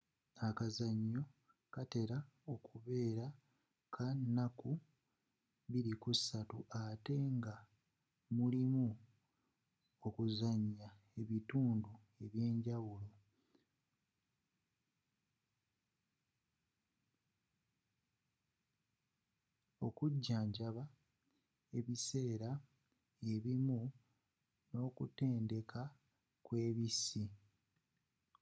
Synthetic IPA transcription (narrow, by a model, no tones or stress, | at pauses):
akazaɲːo̞ | kate̞ɾa | o̞kuβe̞ːɾa | kʰanːaku | βiɾikusatuʔate̞ŋɡa | mulimu | okuzaɲːa | e̞βituːndu | e̞βje̞ːɲɟawulo̞ | okuɟːaːɲɟaβa | e̞βise̞ːɾa | e̞βimu | no̞ːkute̞ːnde̞kʰa | kwe̞ːβisi